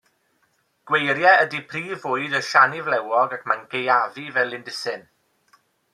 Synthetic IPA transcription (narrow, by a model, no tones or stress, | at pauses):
ɡ̥wejɾjɛədipʰriːvʊɨdəʃanivlɛwɔɡakʰmanɡejavivɛlˠɪndɪsɨn